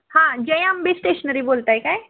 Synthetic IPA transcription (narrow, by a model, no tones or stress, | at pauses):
hãd͡ʑə̃j̃ambisʈeʃənəɾibolt̪aekaj